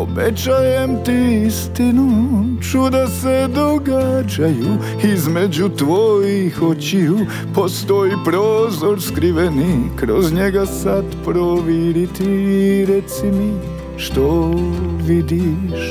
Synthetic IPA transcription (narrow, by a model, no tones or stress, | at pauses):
o̰bet͡ɕajemt̪iist̪inut͡ʃud̪ased̪oɡad͡ʒaju | izmed͡ʑut̪ʋojixot͡ɕiu | post̪ojipɾoːzoɾskɾiʋenikɾozɲeɡasat̪pɾoʋiɾit̪iɾɛt̪simi | ʃt̪oʋid̪iʃ